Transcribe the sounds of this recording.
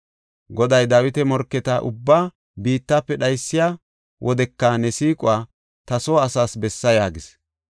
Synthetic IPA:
ɡɔd̪ɐjd̪ɐwɪt̪ɛmɔɾkːɛt̪ɐʔʊ̰bːaː | biːt̪ːaːpːɛɗɐjsːɪjaː | wʔɔd̪ɛkːɐnɛsiːkʼʊaː | t̪ɐsoːɐsaːsbɛsːɐjaːɡɪs

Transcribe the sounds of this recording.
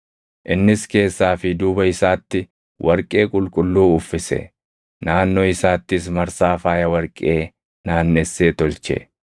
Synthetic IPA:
ʔɪnːɪske̞ːsːaːfɪd̪uːbɐɪsaːt̪ːɪ | wʔɐɾkʼe̞ːkʼʊlkʼʊlːuːʊfːɪsɛ̰ | naːnːoɪsaːt̪ːɪs̬mɐɾsaːfaːjɐwɐɾkʼe̞ː | naːnːɛsːeːt̪ɔlt͡ʃɛ̰

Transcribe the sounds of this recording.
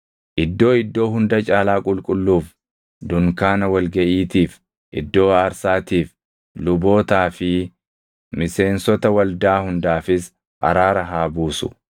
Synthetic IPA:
ʔɪd̪ːo̞ːɪd̪ːo̞ːɦʊnd̪ɐt͡ʃʼaːlaːkʼʊlkʼʊlːuːf | d̪ʊŋkaːnɐwɐlɡɐʔiːt̪iːf | ʔɪ̰d̪ːo̞ːɐːɾsaːt̪iːf | lʊbo̞ːt̪aːfɪ | mɪse̞ːnsɔt̪ɐwɐld̪aːhʊnd̪aːfɪs | ʔɐ̰ɾaːɾɐɦaːbuːsʊ̥̰

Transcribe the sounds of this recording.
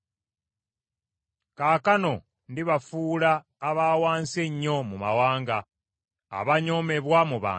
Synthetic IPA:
kaːkano̞ | ndiβafuːlaː | βaːwaːnseɲːo̞muma̰waːŋɡa | a̰βaɲo̞me̞βwamuβa̰ː

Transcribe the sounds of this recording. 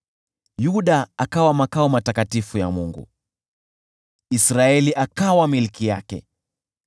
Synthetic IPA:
juɗaakawamakaɔmatakatifuja̰muŋɡṵ | isɾaɛliʔakawamilkija̰kɛ̰

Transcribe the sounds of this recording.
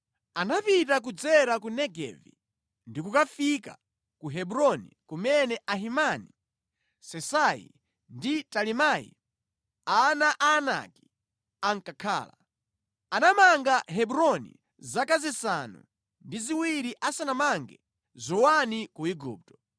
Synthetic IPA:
anapitak̬ud͡zɛɾakunɛɡɛ̰vḭ | ndikukafika̰ | kuɦɛbuɾɔnḭkumɛnɛʔaɦimani | sɛsajḭ | nditalimajḭ | anaʔaːna̰ki̥ | aŋkakʰa̰ːla̰ | anamaŋɡaɦɛbuɾɔnḭ | zakazisanṵ | ndiziwiɾiʔasanamaŋɡɛ | zɔwanikuiɡṵːp̚tɔ̥

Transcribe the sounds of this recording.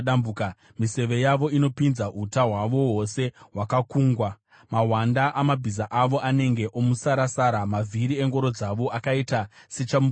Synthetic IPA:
ambuka | mise̞ʋe̞jaʋo̞ino̞pinzaɦutaɦwaʋo̞ɦo̞se̞ɦwakakuːŋɡwa | maɦwandaʔamabʱizaʔaʋo̞ʔane̞ŋɡe̞ʔomusaɾasaɾamavʱiɾie̞ŋɡo̞ɾo̞d͡zaʋo̞ʔakaitase̞t͡ʃamu

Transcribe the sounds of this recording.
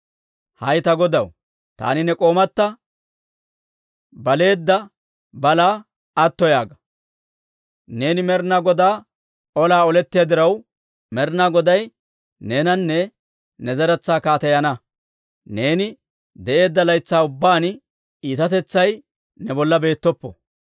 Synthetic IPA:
hɐjt̪ɐɡɔd̪ɐw | t̪a̰ːnɪnɛkʼo̞ːmɐt̪ːɐ | bɐle̞ːd̪ːɐ | bɐlaː | ɐt̪ːɔjaːɡɐ | ne̞ːnɪmɛɾnaːɡɔd̪aː | ɔlaːɔlɛt̪ːɪjad̪ɪɾɐw | mɛɾnaːɡɔd̪ɐj | ne̞ːnɐnːɛ | nɛzɐɾɛt͡sːaːkaːt̪ɐjɐnɐ | ne̞ːnɪ | d̪ɛʔe̞ːd̪ːɐlɐjt͡sːaːʊbːaːn | iːt̪ɐt̪ɛt͡sːɐj | nɛbɔlːɐbe̞ːt̪ːɔpːɔ̰

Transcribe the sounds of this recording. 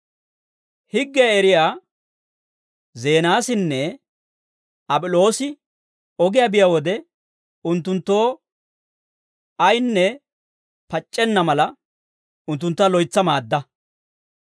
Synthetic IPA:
hɪɡːɛɛɾɪjaː | ze̞ːnaːsɪnːɛ | ɐbʼɪlo̞ːsɪ | ɔɡɪjaːbɪjawɔd̪ɛ | ʊnt̪ːʊnt̪ːo̞ː | ɐjnːɛ | pɐt͡ʃʼːɛnːɐmɐlɐ | ʊnt̪̬ːʊnt̪ːɐlɔjt͡sːɐmaːd̪ːɐ

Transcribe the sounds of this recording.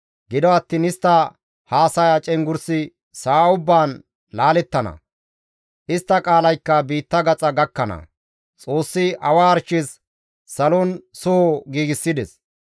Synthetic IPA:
ɡɪd̪ɔɐt̪ːiːnɪst̪ːɐ | haːsɐjat͡ʃʼɛŋɡʊɾsɪ | saːʊbːaːn | laːlɛt̪ːɐnɐ̰ | ʔɪst̪ːɐkʼaːlɐjkːɐbiːt̪ːɐɡɐt͡sʼɐɡɐkːɐnɐ̰ | t͡sʼo̞ːsːɪɐwaːɾt͡ʃːɪs | sɐlɔnsʊhɔɡiːɡɪsːɪd̪ɛs

